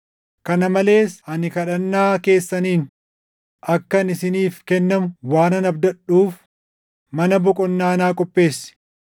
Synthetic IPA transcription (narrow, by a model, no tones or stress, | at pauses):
kɐnɐmɐle̞ːsɐnɪkɐᶑɐnːaːke̞ːsːɐniːn | ɐkːɐnɪsɪniːfkɛnːɐmʊwaːnɐnɐbd̪ɐᶑuːf | mɐnɐbʊkʼɔnːaːnaːkʼɔpːe̞ːsːɪ̥